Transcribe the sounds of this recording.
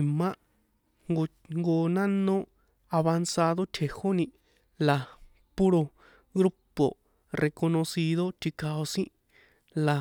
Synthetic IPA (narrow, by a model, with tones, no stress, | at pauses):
mã˦ | ŋɡo˧ | ŋɡo˧nã˦nõ˦ | a˧βa˧nsa˧ðo˦t̪ʰe˨ho˦nĩ˧ | la˨ | pu˦ɾo˧ | ɣɾu˦po̰˨ | rʔe˧ko˧nõ˧si˧ðo˦t̪ʰi˧ka˧o˧sĩ˦ | la˨